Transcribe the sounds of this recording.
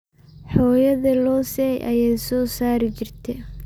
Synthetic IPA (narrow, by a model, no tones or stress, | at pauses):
ħɔːjɐðɐlɔːsɛjʔɐ̰jɛːjsɔːsaːɾɪt͡ʃɪrt̪ʰɛ